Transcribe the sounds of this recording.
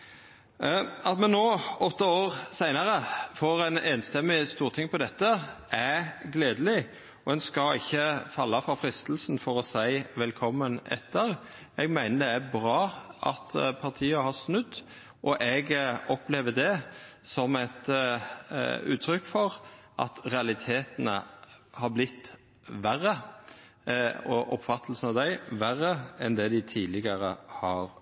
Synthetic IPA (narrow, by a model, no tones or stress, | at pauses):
ɑt̪mɛnːoːɔt̪ːəoːʁsæɪnɑɾəfoːɾɛneːnst̪ɛmːɪst̪uːʁt̪ʰɪŋpɔd̪ɛt̪ːəʔæɡleːd̪əlɪ | ɔɛnskɑɪçːəfɑlːɑfɔɾfɾɪst̪l̩snfɔʁɔsæɪʋɛlkʰɔmːənɛ̰t̪ʰːəɾ | ɛɡmæɪnəd̪ɛæbɾɑːʔɑ̰t̪pʰɑʁt̪ʰiːəhɑsnʉd̪ː | ʔɔʔɛɡɔpleːʋəd̪ɛ | sɔmɛt̪ | ʉ̰ːt̪ʰɾʏkːfɔʁʔɑ̰t̪ʁɛɑlɪt̪ʰeːt̪ənəhɑɾblɪt̪ː | ʋæʁːə | ɔʔɔpfɑt̪ʰːlsn̩ɑʋd̪æɪʋæʁːəɛnd̪ɛd̪ɪt̪ʰiːlɪɡəɾəhɑɾ